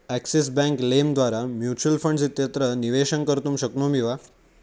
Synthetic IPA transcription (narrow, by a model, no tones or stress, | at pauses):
ækses̬bɛ̃ŋklemd̪ʋaɾamjut͡ɕuəlfəɳɖsit̪jət̪ɾəniʋeɕənkəɾt̪umɕəknomiʋa